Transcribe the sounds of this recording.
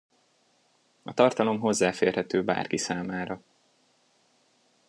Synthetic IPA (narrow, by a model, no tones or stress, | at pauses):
ɒt̪ɒrt̪ɒlo̞mɦo̞zːaːfeːrhɛt̪øːba̰ːrkisaːmaːɾɒ